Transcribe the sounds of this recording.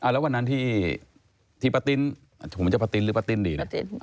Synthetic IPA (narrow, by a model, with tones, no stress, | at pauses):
ʔa˧˩lɛ˦˥wa˧nːa˦˥nt̪ʰiː˥˩ | t̪ʰiː˥˩pa˧t̪i˧˥n | a˨˩a˨˩pʰo˨˦t͡ɕa˧˩pa˧t̪i˧nlɯː˦pa˧t̪i˧˩ndiː˧˩na˦˧